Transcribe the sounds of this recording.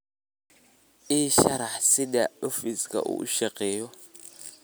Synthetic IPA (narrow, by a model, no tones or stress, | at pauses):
iʃaɾaħsɪɗaofiskʼa̰ʔṵːʃɛqʼɛːjɔ